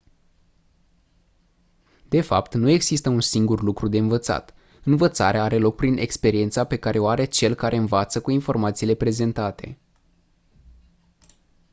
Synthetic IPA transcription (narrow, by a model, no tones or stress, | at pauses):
d̪̥e̞fa̰pt̪nue̞ɡz̥ist̪əunsiŋɡurlukɾud̪e̞ɨnvət̪sa̰t̪ | ɨnvət̪saɾeaaɾe̞lo̞k̚pɾine̞̰kspe̞ɾie̞nt̪sape̞kaɾe̞oaɾe̞t͡ʃe̞lkaɾʔe̞ɨnvat̪səkuinfo̞rmat̪siːle̞pɾe̞ze̞nt̪at̪ʰe̞̰